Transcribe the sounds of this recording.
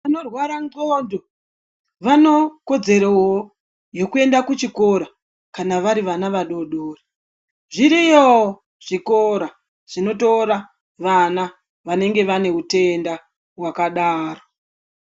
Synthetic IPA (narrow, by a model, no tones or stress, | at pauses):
anorwaɾanɡoːndo̞ | ʋano̞ko̞d͡ze̞ɾowo | jo̞kue̞ndakut͡ʃiko̞ɾa | kanaʋaɾiʋanaʋaɗo̞ɗoːri | ʐiɾijeo | ʐ̥ikoɾa | ʐ̥ino̞to̞ɾa | ʋana | ʋane̞ŋɡe̞ʋane̞ute̞nda | ɦwakaɗaːro